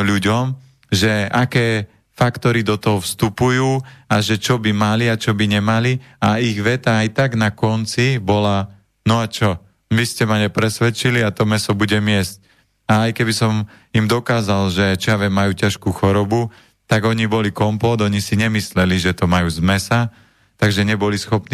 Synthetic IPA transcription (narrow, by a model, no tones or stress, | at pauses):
ʎuɟɔm | ʒɛakɛː | fakt̪ɔɾid̪ɔt̪ɔɦɔfst̪upujuːaʒɛt͡ʃɔbimaliat͡ʃɔbiɲɛmaliaiɣʋɛt̪aajt̪aɡnakɔnt͡sibɔla | nɔat͡ʃɔ | ʋiscɛmaɲɛpɾɛsʋɛt͡ʃiliat̪ɔmɛsɔbuɟɛmɪɛsc̚ | aajkɛbisɔm | imd̪ɔkaːzalʒɛt͡ʃɔjaʋɛmːajuːcaʃkuːxɔɾɔbu | t̪aɡɔɲibɔlikɔmpɔd̪ɔɲisiɲɛmislɛliʒɛt̪ɔmajuːzmɛsa | t̪aɡʒɛɲɛbɔlisxɔpni